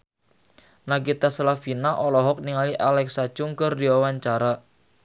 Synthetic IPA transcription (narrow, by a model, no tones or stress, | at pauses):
nakit̪asalafinaʔɔlɔɦɔk̚niŋaliʔalɛksḁt͡ʃʊŋkərdiwawaɲt͡ʃaɾa